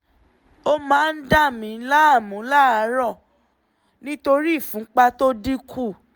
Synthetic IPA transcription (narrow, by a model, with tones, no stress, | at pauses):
o˦mãː˨˦n̩˦da˦˨mĩ˨˦la˦a˦˨mũ˨˦la˦a˨˦ɾɔ˦˨ | nĩ˦to˧ɾi˦˨fũ˨˦k͡pa˧to˦di˦kʰu˦˨